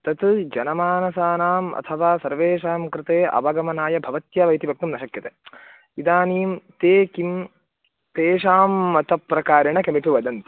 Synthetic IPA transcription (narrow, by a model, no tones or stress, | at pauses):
t̪ɐt̪d͡ʒɐnɐmaːnɐsaːnaːmɐ̰t̪ʰɐʋaːsɐɾʋeːʃaːmkɾɪt̪eːʔɐ̰bɐɡɐmɐnaːjɐbʱɐʋɐt̪jɐʋɐjt̪ibʱɐk̚t̪umnɐʃɐkjɐt̪eː | id̪aːniːmt̪eːkim | t̪eːʃaːmːɐt̪ɐpɾɐkaːɾɐɳɐkɐmipuʋɐd̪ɐnt̪i̥